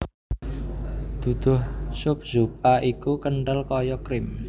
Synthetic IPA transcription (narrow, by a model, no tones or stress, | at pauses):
d̪̥ṳd̪̥ʊ̤hsʊp̚zup̚ʔaʔikukəɳɖəlkɔjɔkɾɪm